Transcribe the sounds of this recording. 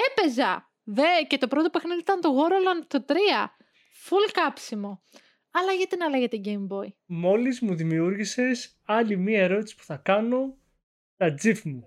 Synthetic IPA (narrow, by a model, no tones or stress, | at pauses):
epe̞zɐ̰ | ðece̞t̪o̞pɾo̞t̪o̞pexniðiit̪ɐnt̪oɣo̞ɾolont̪ot̪ɾiɐ | fulkɐpsimo̞ | ɐlɐʝɐt̪inɐlɐʝe̞t̪e̞ɟejmbo̞imo̞lizmuðimiuɾʝise̞s | ɐlimiɐe̞ɾo̞t̪isi̥pu̥θɐkɐno̞ | t̪ɐd͡zifmuu